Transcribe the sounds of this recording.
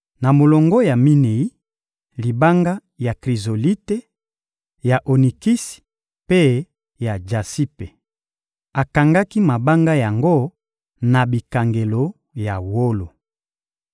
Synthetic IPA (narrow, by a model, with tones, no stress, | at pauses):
na˨mo˨lɔ˨ŋɡɔ˦ja˨mi˦ne˨i˦ | li˨ba˦ŋɡa˦ | ja˨kʁi˨zo˨li˦te˦ | ja˨ʔo˨ni˨ki˦si̥˨ | pe˦ | ja˨d͡ʒa˨si˦pe˨ | a˨ka˨ŋɡa˦ki˦ma˨ba˦ŋɡa˦ja˨ŋɡo˦ | na˨bi˨ka˨ŋɡe˨lo˨ | ja˨wo˦lo˨